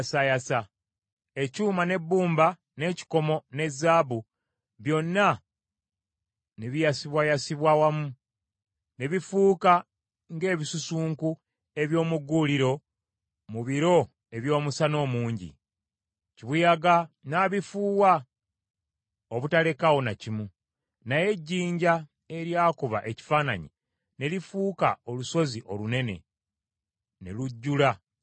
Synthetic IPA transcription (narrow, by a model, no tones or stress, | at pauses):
sajasa | e̞cuːmane̞bːuːmba | ne̞ːci̥ko̞mo̞ne̞zaːβu | βjo̞nːa | niβijasiβwajasiβwawamu | neβifuːka | ŋɡe̞ːβisusuːŋku | e̞βjo̞ːmuɡuːliɾo̞ | muβiɾo̞ | e̞βjo̞ːmusano̞ːmuːɲɟḭ | ciβujaɡanaːβifuːwa | oβutale̞kawo̞nacimu | naje̞ɟːiːɲɟa | e̞ɾjaːkuβa̰ʔe̞ci̥faːna̰ɲi | ne̞lifuːka̰o̞luso̞ziʔo̞lune̞ne̞̰ | nḛluɟːula